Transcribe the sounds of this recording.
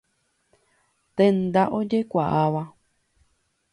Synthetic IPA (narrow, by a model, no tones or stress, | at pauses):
t̪end̪aʔod͡ʒekʷaʔaβa